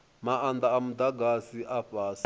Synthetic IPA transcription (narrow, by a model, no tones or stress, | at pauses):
maand̪aːmud̪aɡasiʔaɸaːs